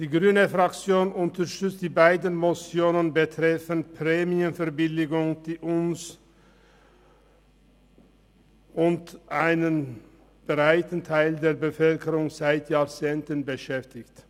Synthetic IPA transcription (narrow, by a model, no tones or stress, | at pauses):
d̥iːɡʁyːnəfʁakt͡sjoːnʊntɐʃtʏt͡std̥iːbaɪdən̩mot͡sjoːnənbətʁ̥ɛfənpʰʁɛːmiənfɛɐbɪlɪɡʊŋd̥iːʔʊns | ʔʊntʔaɪnən | b̥ʁaɪtən̩tʰaɪldeːɐbəfœlkəʁʊŋzaɪtʰjaːʁt͡seːntənbəʃɛftɪçt